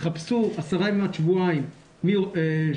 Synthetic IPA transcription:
χapsuasaʁaĩmːeatʃvuaim | mie

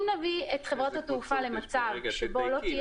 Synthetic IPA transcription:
mnaviet̪χevʁat̪hat̪ufale̞mat͡savʃebo̞lot̪ij

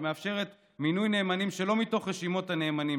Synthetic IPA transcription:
meafʃe̞ʁet | minujne̞ːmanimʃe̞lo̞mito̞χʁeʃimo̞tane̞ːmanim

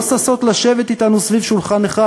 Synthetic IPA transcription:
saso̞t̪laʃevet̪it̪anusvivʃulχaneχa

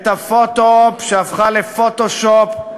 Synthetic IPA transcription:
t̪afot̪opʃeafχalefot̪oʃop

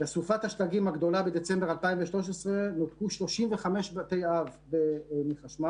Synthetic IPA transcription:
besufat̪haʃtaɡimhaɡd̪o̞labed̪et͡sembealpaimveʃlo̞ʃesʁenot̪kuʃlo̞ʃimveχame̞ʃbat̪ejavbemiχaʃma

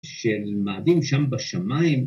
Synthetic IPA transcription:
ʃelmaʕd̪imʃambaʃamaːim

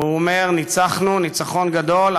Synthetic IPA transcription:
uome̞ʁnit͡saχnunit͡saχo̞nɡad̪o̞l

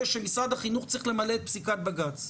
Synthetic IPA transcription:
ʃemisʁad̪haχinuχt͡sʁiχle̞maleːt̪̚psikat̪̚baɡat͡s

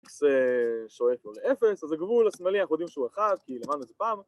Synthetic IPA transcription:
kseʃoefoleefe̞sazeɡvulasmalianaχnujod̪imʃeuaχadkilemad̪nuezepaːm

